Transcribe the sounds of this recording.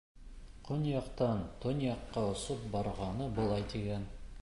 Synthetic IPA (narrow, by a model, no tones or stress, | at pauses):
qʰonjɑqt̪ɑnt̪ʰonjɑqːɑŏsɤp̚bɒɾʁɑnɤbŏlˠɑjd̪eɡʲæn